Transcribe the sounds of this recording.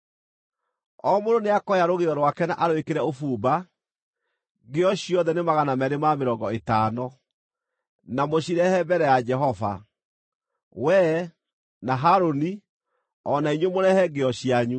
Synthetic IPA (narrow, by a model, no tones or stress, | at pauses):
ɔmoɾoneakɔjaɾoɣeɔɾwakɛnaʔaɾwekeɾɛofuːba | ɡeɔɕiɔðɛnemaɣanamɛɾemameɾɔŋɡɔetaːnɔ | namoɕiɾɛhɛbɛɾɛjad͡ʒɛɦɔva̰ | wɛ | naɦaɾoni | ɔnaiɲwemoɾɛhɛɡeɔɕiaɲu